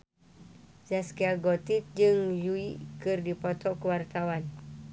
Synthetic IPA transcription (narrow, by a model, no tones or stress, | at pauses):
zaskiaɡɔt̪it̪̚d͡ʒɨŋjuikɨrdipɔt̪ɔkəwart̪awan